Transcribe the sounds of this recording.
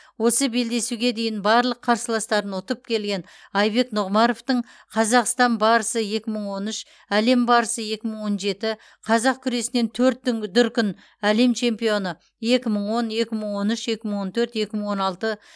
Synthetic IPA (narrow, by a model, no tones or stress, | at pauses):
wo̞səbe̞ld̪e̞suɡʲe̞d̪e̞jɪnbɑɾlˠəqʰːɑɾsəlˠɑst̪ɑɾənʊt̪əp̚kʲʰe̞lɡʲe̞n | ɑjbe̞knʊʁmɑɾo̞ft̪əɴ | qʰɑzɑqst̪ɑnbɑɾəsəje̞kʲɪməɴwo̞nʏʃ | æle̞mbɑɾəsəje̞kʲɪməɴwo̞nʒe̞t̪ɪ | qʰɑzɑq̚kʲʰʏɾe̞sɪne̞nt̪ʰɵɾt̪̚ːɪŋd̪ʏɾkʲʏn | æle̞mt͡ʃʰe̞mpijo̞nə | je̞kʲɪməɴwo̞nje̞kʲɪməɴwo̞nʏʃje̞kʲɪməɴwo̞nt̪ʰɵɾt̪je̞kʲɪməɴwo̞nɑlˠt̪ə